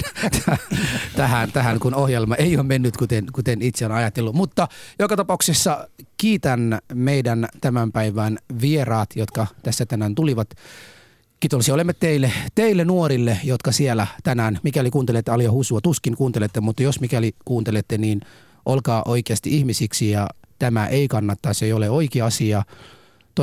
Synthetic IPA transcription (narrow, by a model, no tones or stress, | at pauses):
t̪æt̪æɦænt̪æhæŋkunohjelmɑʔeioːmenːyt̪kut̪enkut̪enit̪seonɑjɑt̪ːelːumut̪ːɑjokɑt̪ɑpɑuksesːɑkiːt̪ænmeidænt̪æmæmpæiʋæːnʋierɑːt̪jot̪kɑt̪æsːæt̪ænænt̪uliʋɑt̪ | kit̪olsiolemːet̪t̪ːeilːet̪eilːenuoɾilːejot̪kɑsielæt̪ænæːnmikælikuːnt̪elet̪ːeɑljɑhusuɑt̪uskiŋkuːnt̪elet̪ːemut̪ːɑjosmikælikuːnt̪elet̪ːeniːn | ʔolkɑːʔoikeɑst̪iʔihmisiksijɑt̪æmæʔeikɑnːɑt̪ːɑseijoleoikiɑsiɑ | t̪o